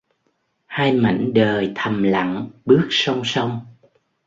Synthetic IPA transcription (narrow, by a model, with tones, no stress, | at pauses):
haː˧jma̰˧˨jŋ̟ɗəː˨˩jt̪ʰə˨˩mla̰˧˨ŋɓɨ˦˥ək̚sə˧wŋ͡msə˧wŋ͡m